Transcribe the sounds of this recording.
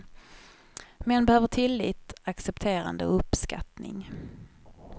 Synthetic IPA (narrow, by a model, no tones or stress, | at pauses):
mɛnbɛhøːvəʈʰɪlːiːt̪aksɛpt̪ʰeːɾa̰nd̪ə̰ɵpːska̰t̪nɪ̰ŋ